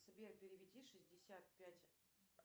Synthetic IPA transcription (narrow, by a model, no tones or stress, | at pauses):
səbʲerpʲɪɾʲɪvʲɪdʲiʂɨzʲdʲɪsʲat̪̚pʲætʲ